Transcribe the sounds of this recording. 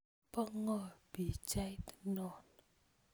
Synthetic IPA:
pəŋəb̥it͡ʃajt̪nɔn

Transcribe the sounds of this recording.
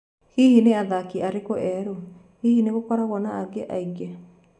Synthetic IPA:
hihineaðakiaɾekoʔɛɾo | hihineɣokɔɾaɣɔnaaɡeʔaiɡa

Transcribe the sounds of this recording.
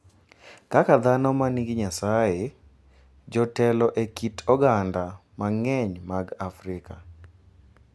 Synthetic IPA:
kakad̪anɔmaniɡɪɲasaje | d͡ʒɔtɛlɔʔekitʰɔɡandamaŋɛɲmaɡafɾɪka

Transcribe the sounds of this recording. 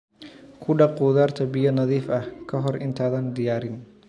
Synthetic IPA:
kʰʊɖɑquːðaːrt̪ʰɐbɪjɔnɐðiːfɐhkʰɐɦɔrɪ̰nt̪ʰaːðɐːnd̪ɪjaːɾɪn

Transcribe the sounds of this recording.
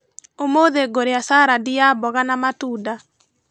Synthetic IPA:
omoðeɡoɾeasaːɾadijabɔɣanamatuːda

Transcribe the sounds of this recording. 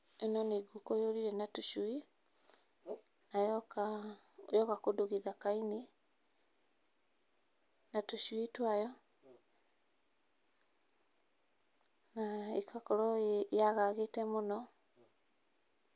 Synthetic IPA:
enɔneɡukojoɾiɾɛnatuʃui | najka | jɔkakodoɣiðakaini | natoʃuitwajɔ | naekʰakɔɾɔjaɣaɣetɛmonɔ

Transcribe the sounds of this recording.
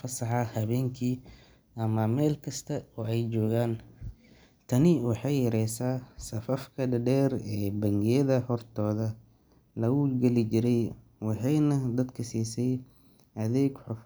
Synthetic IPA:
fɐsɑħɑhɐβɛːŋkʰiː | ʔɐmɐmɛːlkʰɐst̪ʰɐɔːɛjt͡ʃɔːɣaːn | t̪ʰɐnɪwɑħɑjːɐɾɛjsaːsɐfɐfkʰɐɖɐɖɛːrɛːbɐŋɡɪjɐðɐhɔrt̪ʰɔːðɐ | lɐɣʊɡɛlɪt͡ʃɪɾɛj | wɑħɑjnɐd̪ɐd̪kʰɐsiːsɛj | ʔɐðɛːɡħʊf

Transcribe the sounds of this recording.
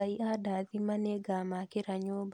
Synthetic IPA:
aiʔadaðimaneɡamakeɾaɲob

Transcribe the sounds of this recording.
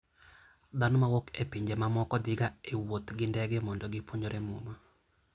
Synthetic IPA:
d̪anɔmawokepiɲd͡ʒemamɔkɔd̪ɪɡaewot̪ɡɪndɛɡɛmɔndɔɡɪpwoɲoɾʔemʊma

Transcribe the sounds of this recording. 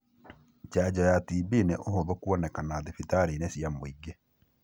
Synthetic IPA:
t͡ʃaɟajatibinɛʔoɦoðɔkwɔnɛkanaðifitaɾenɛsjamoiɡɛ

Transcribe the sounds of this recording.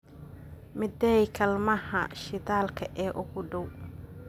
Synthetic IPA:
mɪd̪ɛjkʰɐlmɐhɐʃɪðaːlkʰɐʔɛːʔʊɣʊɖɔw

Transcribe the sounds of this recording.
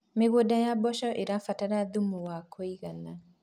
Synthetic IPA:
meɣodajabɔʃɔʔeɾafatanaðumuwakʰɔiɣana

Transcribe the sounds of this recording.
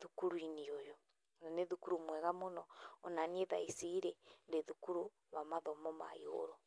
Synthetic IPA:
ðukuɾwiniojo | naneðukuɾumwɛɣamonɔːnanieðaisiɾendeðukuɾu | βamaðɔmɔma̰io̰ɾo

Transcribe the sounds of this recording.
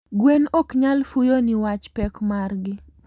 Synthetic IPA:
ɡwenokɲalfujonɪwat͡ʃpɛkmarɡɪ

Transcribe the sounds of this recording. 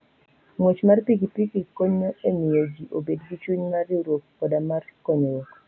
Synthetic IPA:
ŋwot͡ʃmarpikipikikoɲoemɪjod͡ʒiʔobedɡit͡ʃuɲmariɾwok̚ːɔdamarkɔɲowok

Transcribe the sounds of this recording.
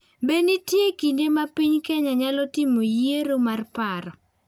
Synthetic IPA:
benitjekindemapiɲkɛɲaɲalɔtimojeɾomarpaɾɔ

